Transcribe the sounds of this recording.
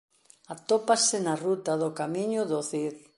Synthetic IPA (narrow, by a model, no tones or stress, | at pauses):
at̪opasɪnarut̪aðʊkamiɲʊðoθiɾ